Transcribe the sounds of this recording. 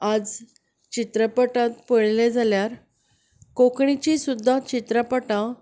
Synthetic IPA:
ad͡z | t͡ɕit̪ɾəpəʈãt̪pəɭled͡zʱaljaɾ | kokɳit͡ɕisud̪ʱːat͡ɕit̪ɾəpəʈã

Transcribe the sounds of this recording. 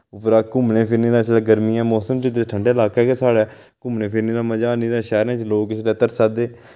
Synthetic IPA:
ʊpɾaːkʊmneːpʰɪɾnĩːd̪ãːt͡ʃlɛːɡəɾmiːɛ̃ːmɔːsəmt͡ʃəd̪eʈʰəɳɖeːɪlaːkɛːkeːsaːɽɛː | kʊmnẽːpʰɪɾnĩːd̪aːməd͡ʒaːnĩːd̪ãːʃɛːɾãːt͡ʃloːkɪsleːt̪əɾsaːd̪eː

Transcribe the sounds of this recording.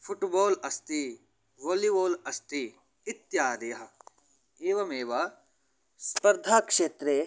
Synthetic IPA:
fʰʊʈboːlɐst̪i | ʋoːliboːlɐst̪i | ɪt̪jaːɾɐjɐɦɐ | eːʋɐmeːʋɐ | spɐɾd̪ʱaːkʃeːt̪ɾeː

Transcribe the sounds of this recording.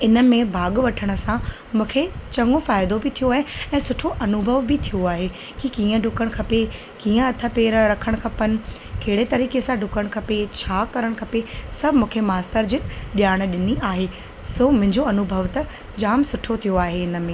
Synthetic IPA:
ɪnə̆mẽbʱaːɠʋɐʈʰəɽ̃ə̆sã | mũːkʰet͡ɕɐŋɡõfaːɪd̪obɪt̪ʰijoaːɦeɛ̃ːsʊʈʰoʔɐnʊbʱəʋbɪt̪ʰijoaːɦe | kikiːə̃ɖʱʊkəɽ̃kʰɐpe | kĩːə̃ɐt̪ʰə̆peːɾɾɐkʰəɽ̃kʰɐpənɪ̆keɦɪɽet̪ɐɾiːkesãɖʱʊkəɽ̃kʰɐpet͡ɕʰaːkɐɾəɽ̃kʰɐpesɐbʱmũːkʰemaːst̪əɾd͡ʑɪkɗijaːɽ̃̆ɗɪniʔaːɦe | somʊ̃ɦɪ̃ɲd͡ʑoɐnʊbʱəʋt̪ɐ | d͡ʑaːmsʊʈʰot̪ʰijoaːɦeɪnə̆mẽː

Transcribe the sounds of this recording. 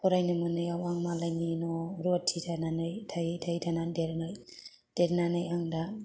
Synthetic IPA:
kɔɾajnɯmɯnɯjawaŋmalajninɔɾɔtʰːidʰananajtʰajtʰajdʰanandeɾnaj | d̥eɾnanajaŋda

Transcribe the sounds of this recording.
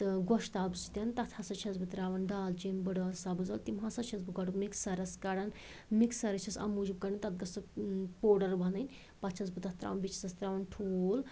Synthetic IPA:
t̪ɨɡɔʃt̪aːbust̪ʲɐnt̪ɐt̪ʰhɐsɐt͡ʃʰɐzbɨt̪ɾaːʋɐnɖaːlt͡ʃinbəɽɐːsabɨzɐlt̪imɦɐsɐt͡ʃʰɐzbɨɡɐɽukmiksɐɾɐskɐɽɐn | miksɐɾɐt͡ʃʰɐsɐ̰mud͡ʒib̚kɐɽɐnt̪ɐt̪̚ɡɐst̪ɐpoːɖɐɾbɐnɐnʲ | pɐt̪t͡ʃʰɐzbɨt̪ɐt̪ɾa̰ːʋnbit͡ʃʰi̥sɐst̪ɾaːʋɐnʈʰuːl

